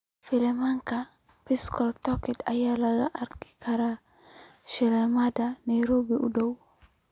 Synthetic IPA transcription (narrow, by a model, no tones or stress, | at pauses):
filemaŋkapiskɔltɔkitajalaɡaʔaɾki̥kaɾa | ʃɛlamadanajɾobiʔudaw